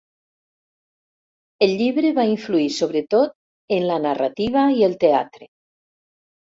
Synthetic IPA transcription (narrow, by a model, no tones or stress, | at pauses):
elʎiβɾeβaiɱfluisoβ̞ɾet̪ot̪̚ | enlanara̰t̪iβ̞aielt̪ea̰t̪ɾe